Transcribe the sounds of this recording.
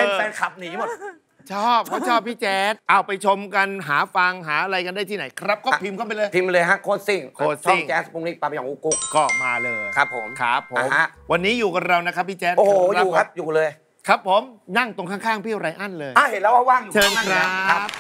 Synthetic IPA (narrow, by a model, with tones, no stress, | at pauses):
ʔeə˧nː˧ɛː˧nkʰa˨˩p̚niː˦˥mo˨˩t̪̚ | t͡ɕʰɔː˥˩p̚kʰa˥˩t͡ɕʰɔː˥˩pʰːiː˥˩t͡ɕɛː˦˥t̪̚ʔa˧˩wpa˧jt͡ɕʰo˧mka˧nɦaː˩˦fa˧ŋɦaː˩˦ʔa˧ɾa˧jka˧nda˥˩t̪ʰiː˥˩na˩˦jkʰɾa˦˥p̚kɔː˥˧pʰi˧mkʰa˥˩p̬e˧lɤː˧jpʰi˧mlɤː˧jɦa˦˥kʰoː˥˩t̪̚si˧˩ŋkʰoː˧˥˩si˧˩ŋkɛː˦˥smuː˧˩ŋniː˦˥˩t̪aː˧m˧jaː˨˩ŋʔuː˧˦ku˦˥k̚kɔː˥˩ma̰ː˧lɤː˧jkʰɾa˦˥pʰːo˩˦mkʰɾa˦˥pʰːa˧˩˦ma˦˥ʔwa˧nːiː˦˥juː˨˩ka˧˩ɾa˧wna˦kʰa˦˥pʰːiː˥˩t͡ɕɛː˦˥t̪̚ʔo˧˨hɾa˦˨a˦˥p̚juː˨˩lɤː˧j | kʰɾa˦˥pʰːo˨˦mna˥˩ŋt̪o˧ŋkʰa˥˩ŋkʰaː˥˩ŋpʰi˥˩ɾa˧jʔa˥˩nlɤː˧jʔaː˧˩he˨˩˦n̚lɛː˦˥wʔaː˧˩waː˥˩ŋju˨t͡ɕʰɤː˧n˧kʰɾa˦˥p̚